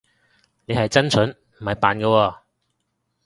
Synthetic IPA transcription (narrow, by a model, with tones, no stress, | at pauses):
ne˨˧hɐ˨jt͡sɐ˥nt͡sʰɵ˨˥n | m̩˨˩hɐ˨jpaː˨nkɔ˧wɔː˧